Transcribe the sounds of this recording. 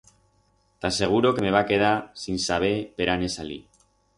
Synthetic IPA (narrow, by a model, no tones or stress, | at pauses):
t̪ase̞ɣ̞uɾo̞kemeβ̞ake̞ðasinsaβ̞e̞pe̞ɾane̞salḭ